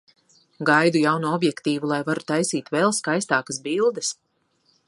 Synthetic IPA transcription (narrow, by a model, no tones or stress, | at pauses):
ɡajd̪ujawnuɔbjɛkt̪iːvulˠajvaɾut̪ajsiːt̪vɛlˠskajst̪aːkəsbilˠd̪ɐs